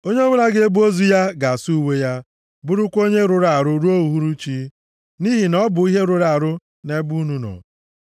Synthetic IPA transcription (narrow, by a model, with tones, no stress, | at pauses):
o˦ɲe˦o˦ŋʷe˦na˦ɡe˦e˦bu˦o˦zu˦ja˦ɡa˨su˦we˦ja˦ | bʊ˦ɾʊ˦kʷo˦ɲe˦ɾʊ˨ɾa˨a˨ɾʊ˦ɾu˦o˦u˨ɦu˦ɾu˦t͡ʃi˦ | ni˦ɦi˨nɔ˦bʊ˨i˦ɦe˦ɾʊ˨ɾa˨ɾʊ˦ | ne˦bu˦nu˦nɔ̰˨